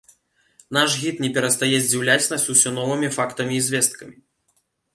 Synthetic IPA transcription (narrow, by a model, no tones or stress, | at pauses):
naʂɣʲit̪nʲɛpʲɛɾɐst̪ajɛzʲd͡zʲiwlʲat͡sʲnɐsʲusʲɔnɔvɨmʲifakt̪ɐmʲiːzʲvʲɛst̪̚kɐmʲi